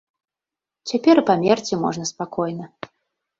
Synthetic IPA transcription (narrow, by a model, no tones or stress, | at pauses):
t͡sʲapʲɛɾɨpamʲɛrt͡sʲimɔ̰ʐnɐspakɔjnɐ